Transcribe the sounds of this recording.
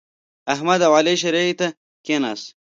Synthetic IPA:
ɐɦmɐd̪ɐwaːleɕ̬ɐɾeit̪ɐ | kena̰s

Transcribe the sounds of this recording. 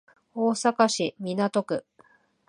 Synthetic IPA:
o̞ːsakaɕimʲinat̪o̞kɯ̟

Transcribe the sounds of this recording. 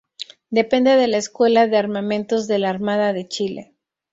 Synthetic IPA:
d̪e̞pe̞nd̪eðe̞laeskwe̞laðeaɾmamẽ̞nt̪o̞zðe̞laːɾmað̞aðe̞t͡ʃilḛ

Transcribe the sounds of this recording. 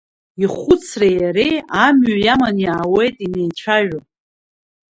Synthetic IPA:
iχʷʊt͡sʰrajaɾejamɥajamanjaːwe̞jtʼine̞jt͡ʃʷʰaʒᶣa

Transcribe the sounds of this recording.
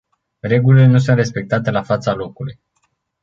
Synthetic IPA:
re̞ɡulile̞nus̬unt̪re̞spe̞k̚t̪at̪e̞lafat̪salo̞kuluj

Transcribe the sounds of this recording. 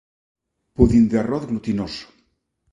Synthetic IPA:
puðind̪earɔθɡlut̪inoso̥

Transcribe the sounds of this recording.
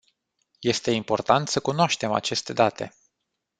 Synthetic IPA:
je̞st̪e̞impo̞rt̪ant̪səkunoaʃt̪e̞ma̰t͡ʃe̞st̪e̞d̪at̪e̞̰

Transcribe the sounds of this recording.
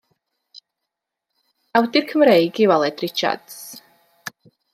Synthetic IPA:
awt̪ʼiɾkʰmɾɛiɡivalˠɛt̪ʼɾit͡ʃʰa̰t̪s

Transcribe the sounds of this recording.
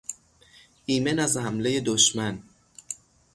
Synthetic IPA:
ʔiːmenæzhæmle̞je̞d̪oʃmæn

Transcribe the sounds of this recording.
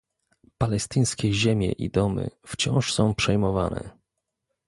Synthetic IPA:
palɛst̪ɘjskʲɛʑemʲjɛ̰ʔḭd̪ɔmɘ̰ft͡ɕɔ̰̃w̃ʂsɔ̃w̃pʂɛjmɔva̰nɛ̰

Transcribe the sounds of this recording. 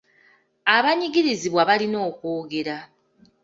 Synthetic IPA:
aβaɲiɡiɾiziβwaβalino̞ːko̞ːɡe̞ɾa

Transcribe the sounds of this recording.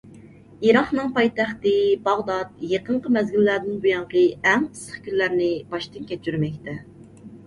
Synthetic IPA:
iɾɑχnɨŋpɑjt̪æχt̪ɨbɑʁd̪ɑt̪̚jeqəɴqəmɛzɡʲilːæɾd̪ɪnbujɑɴqəɛŋɨsə̥χkʲʰyllæɾnɪb̥ɑʃt̪ɨnkʲʰɛt͡ʃʰyɾmɛkʲt̪ʰɛ

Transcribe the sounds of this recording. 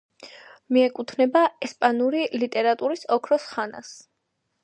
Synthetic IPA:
miɛkʼut̪ʰnɛbaɛspʼanuɾilit̪ʼɛɾat̪ʼuɾisɔkʰɾɔsχana̰s

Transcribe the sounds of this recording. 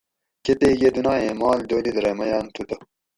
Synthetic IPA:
ket̪eɡed̪unaːemaːld̪oːlid̪ɾemɐjɑːnt̪ʰut̪ɐ

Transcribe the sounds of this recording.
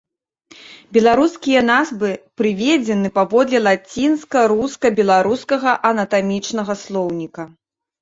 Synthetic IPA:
bʲɛlˠaɾuskʲijɐnazbɨpɾɨvʲeɛd͡zʲɛnɨpavɔd̪lʲɛlˠat͡sʲinskɐɾuskɐbʲɛlˠaɾuskɐɣɐʔɐnɐt̪amʲit͡ʂnɐɣɐslˠɔwnʲikɐ

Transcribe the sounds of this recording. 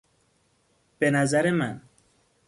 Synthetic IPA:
penazaɾeman

